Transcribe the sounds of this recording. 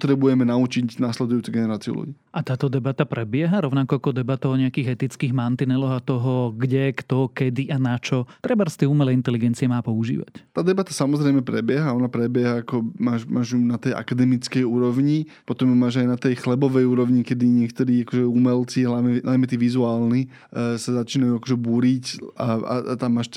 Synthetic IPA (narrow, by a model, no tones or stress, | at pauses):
t̪ɾɛbujɛmɛnaut͡ʃicnaːslɛd̪ujuːt͡sɛɡɛnɛɾaːt͡siṵlṵɟḭːʔat̪aːt̪ɔd̪ɛbat̪apɾɛbɪɛɦaɾɔʊnakɔakɔd̪ɛbat̪aɔɲɛakiːɣɛt̪it͡skiːɣmant̪inɛlɔɣat̪ɔɦɔɡɟɛkt̪ɔkɛd̪iʔanat͡ʃɔt̪ɾɛbaɾst̪iɛuːmɛlɛint̪ɛliɡɛnt͡siɪɛmaːpɔuʒḭːʋa̰ct̪aːd̪ɛbat̪asamɔzɾɛɪmɛpɾɛbɪɛɦaɔnapɾɛbjɛɦaːkɔmaːʃmaːʒunat̪ɛjʔa̰kad̪ɛmit͡skɛjuːɾɔʋɲipɔt̪ɔmmːaːʒajnat̪ɛjxlɛbɔʋɛjuːɾɔʋɲikɛd̪iɲɪɛkt̪ɔɾiːakɔʒɛumɛlt͡siɦlaʋɲɛnajmɛt̪iːʋizuaːlni | sazat͡ʃiːnajuakɔʒɛbuːɾicaa̰t̪amːaːʃ